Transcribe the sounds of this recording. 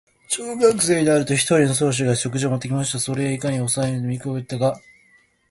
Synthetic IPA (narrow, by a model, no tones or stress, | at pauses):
t͡ɕoːɡakɯ̟se̞ːd̪eaɾɯ̟t̪o̞çi̥t̪o̞ɾʲino̞s̬o̞ːɕ̬iɡaɕo̞k̬ɯ̟ʑiomot̪ːe̞k̬ʲimaɕi̥t̪aso̞ɾe̞aikaɲ̟io̞saennomʲikoet̪ːaɡa